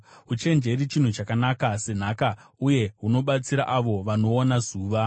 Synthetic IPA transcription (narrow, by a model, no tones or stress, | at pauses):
ut͡ʃe̞nd͡ʒe̞ɾit͡ʃin̤ut͡ʃakanakase̞n̤akauje̞ɦuno̞ɓat͡siɾa̰ʔaʋo̞ʋano̞ːnazuːʋa